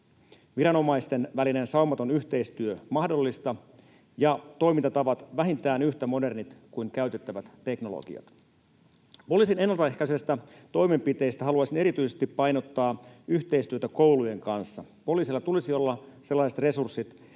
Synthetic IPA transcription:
ʋiɾɑno̞mɑist̪e̞nʋæline̞nsɑumɑt̪onyçt̪e̞ist̪yømɑhdo̞lːist̪ɑ | jɑt̪o̞jmint̪ɑt̪ɑʋɑt̪ʋæɦint̪æːnyçt̪æmo̞de̞rnit̪kuiŋkæyɥt̪e̞t̪ːæʋæt̪ːe̞kno̞lo̰ɡḭɑ̰t̪ | po̞liːsine̞nːɑlt̪ɑehkæysest̪æt̪o̞jme̞mpit̪e̞ist̪æɦɑluɑsine̞ɾit̪yisest̪ipːɑjno̞t̪ːɑːyçt̪e̞ist̪yøt̪æko̞wluje̞ŋkɑnsːɑ | po̞liːsilːɑt̪ulisio̞lːɑse̞lːɑiset̪re̞sursːit̪

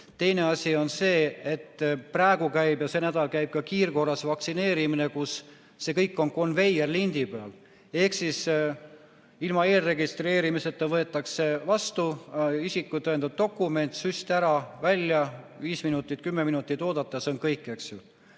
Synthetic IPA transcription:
t̪e̞jne̞ɑsʲio̞nse̞ːet̪ːpræːɡukæjbjɑse̞næd̪ɑlkæjb̥̚kɑkiːrko̞rːɑsvɑksine̞ːɾimine̞kusː | e̞kɤjkːˑo̞nko̞nve̞jerlind̪ipeɑ̰l | e̞hksis | ilmɑe̞ːlre̞ɡist̪re̞ːɾimise̞t̪ːˑɑvɤ̞et̪ːˑɑkse̞vɑst̪uisikːˑut̪ɤend̪̥ɑb̚t̪o̞kːˑume̞nt̪sysʲt̪æɾɑvælʲːjɑviːsminut̪ːˑit̪̚kymːeminut̪ːˑit̪ːo̞ːd̪ɑt̪ːˑɑseonkɤjkːˑe̞ksju

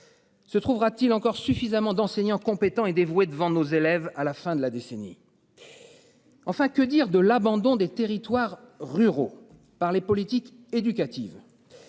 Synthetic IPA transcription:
sət̪χuvʁat̪ilɑ̃kɔʁsyfizamɑ̃d̪ɑ̃seɲɑ̃kɔ̃pet̪ɑ̃ed̪evwed̪əvɑ̃nozelɛvalafɛ̃d̪əlad̪esenḭ | ɑ̃fɛ̃kəd̪iʁd̪əlabɑ̃d̪ɔ̃d̪et̪eʁit̪waʁːyʁo̰ | paʁlepɔlit̪ik | ed̪ykat̪iv

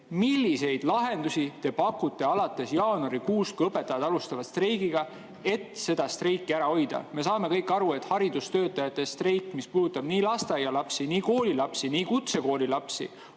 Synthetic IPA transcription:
milːise̞jd̪̥lɑɦe̞nd̪usʲit̪e̞pɑkːut̪ːˑe̞ɑlɑt̪ːˑe̞sjɑːnoɾikuːst̪kuɤpːˑe̞t̪ːˑɑjɑd̪ɑlust̪ɑvɑt̪st̪ɾejɡiɡɑ | e̞t̪se̞d̪̥ɑst̪rejkːiæɾɑo̞jd̪̥ɑ̰me̞sɑːme̞kɤjkːˑɑɾue̞t̪hɑɾid̪̥ust̪ø̞ːt̪ːˑɑjɑt̪ːˑe̞st̪rejkːˑmispuːd̪ut̪ːˑɑb̥niːlɑst̪ɑjɑlɑpsiniːko̞ːlilɑpsiniːkut̪se̞ko̞ːlilɑpsḭ

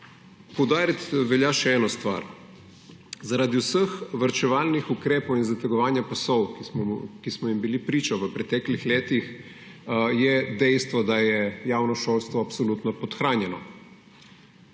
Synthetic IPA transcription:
pɔwd̪aːɾit̪ʋɛljaʃɛɛːnɔst̪ʋa̰ɾ | zaɾaːd̪iwsəxʋəɾt͡ʃɛʋaːlnixukɾeːpɔwinzat̪əɡɔʋaːnjapasɔw | kismɔimbilipɾiːt͡ʃɔʋəpɾɛt̪ɛːklixleːt̪ix | jɛd̪ɛjst̪ʋɔd̪ajɛjaːwnɔʃoːlst̪ʋɔapsɔlut̪nɔpɔt̪xɾaːnjɛnɔ

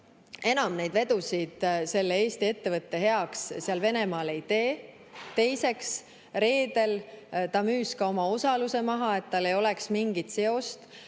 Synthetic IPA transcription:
e̞nɑmnejd̪̥ve̞d̪usid̪̥se̞lːee̞ːst̪ie̞t̪ːe̞vɤt̪ːe̞ɦe̞ɑksseɑlve̞ne̞mɑːle̞jt̪e̞ː | t̪e̞jse̞ks | ɾe̞ːd̪e̞lt̪ɑmyːskɑo̞mɑo̞sɑluse̞mɑɦɑe̞t̪ːɑlːe̞jo̞le̞ksmiŋɡ̥it̪se̞o̞st̪

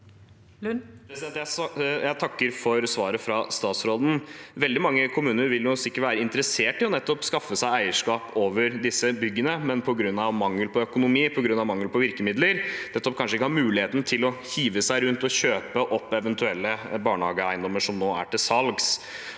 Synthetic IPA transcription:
pɾɛsɪd̪ɛnt̪jæjæɪt̪ʰɑkːəɾfɔɾsʋɑːɾəfɾɑst̪ɑːt̪sɾoːd̪n̩ʋɛld̪ɪmɑŋːəkʰʊmʉːnəɾʋɪljʊsɪkːəʈʋæːɾəɪnt̪əɾəseːʈɪlɔnɛt̪ːɔpskɑfːəsæɪæɪəʂkɑːpʰoːʋəɾd̪ɪsəbʏɡːənəmɛnpʰɔɡɾʉnːɑʋmɑŋːəlpʰɔœkʊnʊmiːpʰɔɡɾʉnːɑʋmɑŋːlpɔʋɪɾkəmɪd̪ləɾnɛt̪ːɔp̚kʰɑnʂəɪkːəhɑɾmʉːlɪheːt̪n̩t̪ʰɪlɔçiːʋəsæɪɾʉnt̪ɔçøːpəʔɔpːɛʋənt̪ʰʉɛlːəbɑːɳhɑːɡəæɪnd̪ɔmːəʂɔmnoːæ̰ʈɪlsɑlɡs

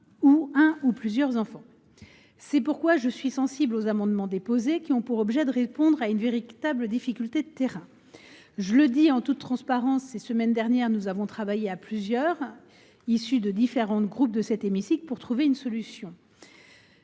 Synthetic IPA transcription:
uɛ̃uplyzjœʁzɑ̃fɑ̃ | sɛpuʁkwaʒəsɥisɑ̃siblozamɑ̃d̪mɑ̃d̪epozekʲiɔ̃puʁɔbʒɛd̪əʁepɔ̃d̪ʁaynveʁit̪abləd̪ifikʲylt̪ed̪ət̪eʁɛ̃ | ʒələd̪iɑ̃t̪ut̪ːχɑ̃spaʁɑ̃sːesəmɛnd̪ɛʁnjɛʁnuzavɔ̃t̪χavajeaplyzjœʁ | isyd̪əd̪ifeʁɑ̃t̪ɡʁup̚d̪əsɛt̪emisiklpuʁt̪χuveynsɔlysjɔ̃

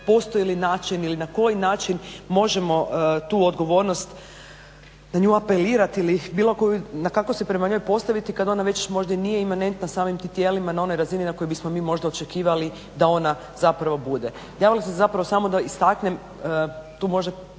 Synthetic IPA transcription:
po̞st̪ojilinaːt͡ʃinilinako̞jinaːt͡ʃinmo̞ʒemo̞t̪uːod̪ɡo̞ʋo̞ɾno̞st̪ | naɲuːape̞liːɾat̪ilibiːlˠo̞kojunakakosepɾe̞maɲo̞jpo̞st̪aʋit̪ikad̪o̞naʋe̞t͡ʃmo̞ʒd̪anijeimane̞nt̪nasaːmimt̪it̪jeːlimanao̞no̞jɾazininako̞jebismo̞miːmo̞ʒd̪ao̞t͡ʃekiːʋali | d̪ao̞na | zapɾaʋo̞bud̪e | jaːʋilisezapɾaʋo̞samo̞d̪aist̪akne̞m | ət̪uːmo̞ʒd̪a

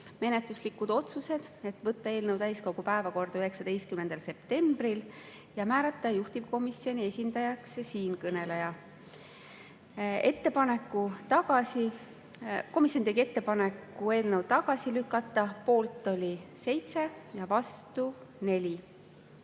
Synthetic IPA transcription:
me̞net̪luslikːˑud̪̥o̞t̪suse̞d̪̥e̞t̪ːvɤt̪ːɑe̞ːlnəwt̪æjsko̞ɡ̥upæe̞vɑko̞rd̪̥ɑyɦe̞ksɑd̪e̞jst̪̚kymne̞nd̪̥ɑlse̞p̚t̪e̞mbril | jɑmæːɾɑt̪ˑːɑjuht̪ib̥ko̞misio̞nie̞sʲind̪̥ɑjɑkssiːnkɤne̞lejɑ | e̞t̪ːe̞pɑne̞kːut̪ɑɡ̥ɑsi | ko̞misːˑjont̪eɡie̞t̪ːe̞pɑnekˑːue̞ːlnəwt̪ɑɡ̥ɑsilykːˑɑt̪ːˑɑpo̞ːlt̪ːˑo̞lʲise̞jt̪se̞jɑvɑst̪une̞lʲi

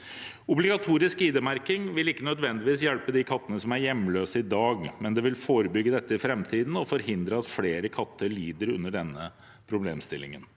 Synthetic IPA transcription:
ʊblɪɡɑt̪ʰuːɾɪskiːd̪əmæɾkɪŋʋɪlɪkːənœd̪ʋɛnd̪ɪʋiːsjɛlpəd̪ikʰɑt̪ːənəsɔmæɾjɛmːløːsəɪd̪ɑːɡmɛnd̪ɛʋɪlfoːɾəbʏɡːəd̪ɛt̪ːəɪfɾɛmt̪ʰiːd̪n̩ɔfɔɾhɪnd̪ɾəɑt̪fleːɾəkʰɑt̪ːəɭiːd̪əɾʉ̰nːəɖɛnːə | pʰɾʊblḛːmst̪ɪlːɪ̰ŋə̰n

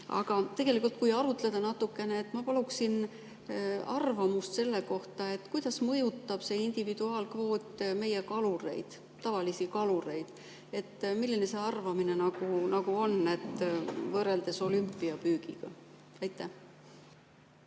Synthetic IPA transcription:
ɑ̰ɡ̥ɑt̪e̞ɡ̥e̞likult̪̚kujɑɾut̪ˑle̞d̪̥ɑnɑt̪ːˑukːˑe̞neːt̪ːˑmɑpɑluksin | ɑ̰rvɑmust̪se̞lːe̞ko̞ht̪ɑe̞t̪ːˑkujd̪̥ɑsmɤjut̪ːɑb̥se̞ind̪̥ivid̪uɑːlkvo̞ːt̪ːme̞je̞kɑluɾe̞̰jd̪̥ | t̪ːɑvɑlisikɑluɾe̞jd̪̥ | e̞t̪ːmilːine̞se̞ɑrvɑmine̞nɑɡ̥unɑɡuo̞nːe̞t̪ːˑvɤɾe̞ld̪e̞so̞lympːˑiɑpyːɡ̥iɡ̥ɑ | ɑjt̪ːˑæh

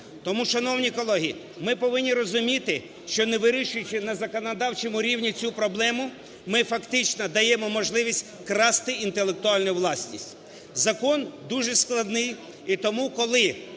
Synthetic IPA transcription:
t̪ɔmuʃɐnɔwnʲikɔlˠɔɦʲi | mɪpɔʋɪnʲːiɾɔzʊmʲit̪ɪ | ʃt͡ʃɔneʋɪɾʲiʃʊjʊt͡ʃɪnɐzɐkɔnɔd̪ɑwt͡ʃɛmʊɾʲiwnʲit͡sʲupɾɔblˠɛmʊ | mɪfɐkt̪ɪt͡ʃnɔd̪ɐjɛmɔmɔʒlˠɪʋʲisʲtʲ | kɾɑst̪ɪint̪elˠek̚t̪ʊɑlʲnʊjʋlˠɑsʲnʲḭsʲtʲ | zɐkɔnd̪uʒɛsklˠɐd̪nɪj | it̪ɔmukɔlˠɪ

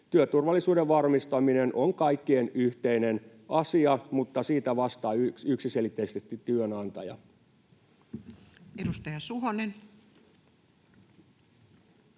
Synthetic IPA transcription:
t̪yøt̪urʋɑlːisuːdeʋʋɑrmist̪ɑminenʔoŋkɑikːienyht̪einen | ɑsiɑmut̪ːɑsiːt̪æʋɑst̪ɑːykyksiselit̪ːeist̪est̪ːitt̪yønɑnt̪ɑjɑ̰ | edust̪ɑjɑsuɦonen

